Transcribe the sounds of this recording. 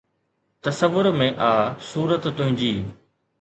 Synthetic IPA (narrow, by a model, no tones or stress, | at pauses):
t̪ɐsəʋːʊɾmẽʔaːsuːɾət̪ːʊ̃ɦɪ̃ɲd͡ʑiː